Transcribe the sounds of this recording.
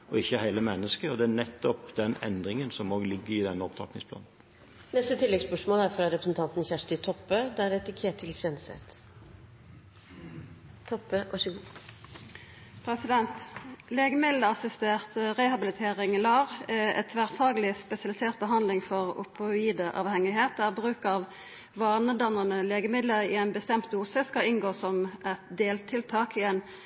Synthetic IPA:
ʔɔɪçːəhæɪləmɛnːəskəɔd̪ɛænɛt̪ːɔpd̪ɛnɛ̰nd̪ɾɪŋənsɔmoːɡlɪɡːəɾɪd̪ɛnːəɔpt̪ʰɾɑ̰k̪nɪŋspʰlɑ̰ːnn̩ | nɛst̪ət̪ʰɪlːɛɡspœʂmoːlæɾfɾɑɾɛpɾəsn̩t̪ʰɑnt̪nçæʂʈɪt̪ʰɔpːød̪ɛæɾɛt̪ɪkʰeːʈʰːɪlsɛnsɛ̰t̪ | t̪ʰɔpːəʔɑʂəɡu | pʰʁɛsɪd̪ɛnt̪leːɡəmɪd̪ləɑsɪst̪eːʁt̪ʁɛhɑbɪlɪt̪ʰeːʁɪŋlɑːʁɛ̰t̪ʰʋæːʁfɑːɡəlɪspɛsɪɑlɪseːʁt̪̚bəɦɑnd̪lɪŋfɔʁʊ̰pəiːd̪əʔɑ̰ːʋhɛŋɪɦeːt̪æːʁbʁʉːkɑʋ | ʋɑːʁnəd̪ɑnəʁnəleːɡəmɪd̪ləʁɪ̰æɛɪnbəst̪ɛmt̪̚d̪uːsəskɑɪŋɡoːsɔmʔɛt̪d̪eːlt̪ʰɪlt̪ʰɑːkɪɛːn

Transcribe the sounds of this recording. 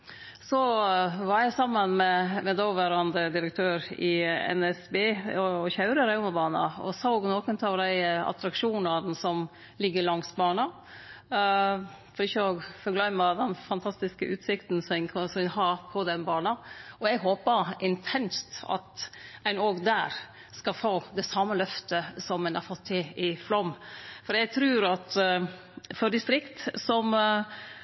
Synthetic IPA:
sɔʋɑɾjæɪsɑmːənmɛmɛd̪ɔʋæɾɑnd̪əd̪ɪɾək̚t̪ʰøːɾɪɛ̰nɛsbeːɔçɑʉɾəɾæɪmɑbɑːnɑ̰ɔ̰sɑːɔːɡnoːkənt̪ʰɑʋd̪æɪɑ̰t̪ɾɑkʂuːnɑɾn̩sɔm | lɪɡːəɾlɑŋsbɑːɳɑ | fɔɾɪçːəoːɡfɔɾɡlæɪmɑd̪ɛnfɑnt̪ʰɑst̪ɪskəʔʉːt̪sɪkt̪n̩sɛnkʰsɔɦɑɾpʰɔd̪ɛnbɑːnɑɔɛɡɦoːpəɾʔɪnt̪ʰɛnst̪ɑ̰t̪æɪnoːɡd̪æːɾ | skɑfoːd̪ɛsɑmːəlœft̪əsɔmɛnɑ̰ɾfɔt̪ʰːɪɪflɔmfɔɾjæɪt̪ʰɾʉːɾɑt̪ | fɔd̪ɪst̪ɾɪkt̪sɔm

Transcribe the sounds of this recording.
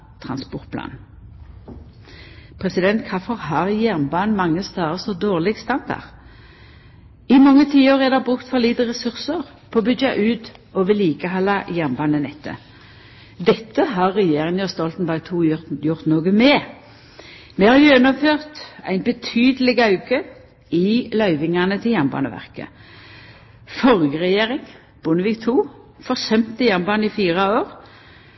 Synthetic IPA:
t̪ʰʁɑnspɔʁt̪̚pʰlɑ̰ːn | pʰʁɛsɪd̪ɛnt̪kʰɑfɔʁhɑʁjæʁnbɑːnmɑŋːəst̪ɑːʁəsɔd̪oːʁlɪɡst̪ɑnd̪ɑ̰ʁ | ɪmɔŋːət̪ʰiːoʁɛd̪ɛbʁʉkt̪fɔʁliːd̪əʁɛsʉʁsəʁ | pʰɔbʏd͡ʒɑʔʉːt̪ɔʋɪliːkəɦɑlːɑjæʁnbɑːnənɛt̪ʰːə̰ | d̪ɛt̪ːəɦɑʁːɛjeːʁɪŋəst̪ɔlt̪n̩bɑːɡ̚t̪ʰuːjʊʁt̪noːɡəmɛː | mɛhɑɾjœnʊmføːʁt̪æ̰ɪnbət̪ʰyːd̪əlɪɡɑʉkə | ɪlœʏʋɪŋɑnət̪ʰɪljæʁmbɑ̰ːnə̰ʋæ̰ʁkə̰ | fɔʁɡəʁɛjeːʁɪŋ | b̥ʊnəʋiːkt̪ʰuː | fɔʁsœmt̪əjæʁmbɑːnəifiːʁɑoːʁ

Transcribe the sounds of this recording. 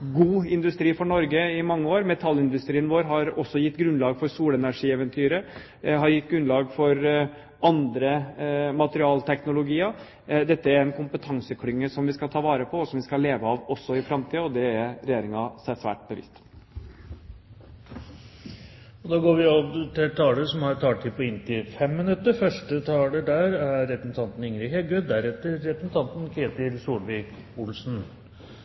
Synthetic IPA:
ɡuːɪnd̪ʉst̪ɾiːfɔɳɔɾɡəɪmɑŋːəoːɾmɛt̪ʰɑlːɪnd̪ʉst̪ɾiːənʋoːɾɦɑɾɔsːɔjɪt̪ːɡɾʉnlɑːɡfɔɾsuːlɛnæʂiːɛʋənt̪ʰyːɾə | ɦɑɾjɪt̪ːɡɾʉnlɑːɡfɔɾ | ɑnd̪ɾəmɑt̪əɾɪɑːlt̪ʰɛknʊlʊɡiːɑ | d̪ɛt̪ːəæɾɛnkʰʊmpət̪ʰɑŋsəkʰlʏŋːəsɔmʋɪskɑt̪ʰɑːʋɑːɾəpʰɔɔsɔmʋɪskɑleːʋəɑʋɔsːɔɪfɾɑmt̪ʰiːɔd̪ɛæɾɾɛjeːɾɪŋɑsæsʋæ̰ːʈ̚bəʋɪ̰st̪ | ɔd̪ɑːɡoːɾʋɪɔʋt̪ʰɪlt̪ʰɑːləsɔmhɑɾt̪ʰɑːʈʈ̪ʰɪpʰɔɪnːt̪ʰɪfɛmːɪnʉt̪ːəɾfœʂʈət̪ʰɑːləɖæɾæːɛpɾəsn̩t̪ʰɑnt̪n̩ɪŋɾɪːhɛɡœd̪æɾɛt̪ːəɾːɛpɾəsn̩t̪ʰɑnt̪n̩kʰeːt̪ɪlsuːlʋɪːkʊlsn̩

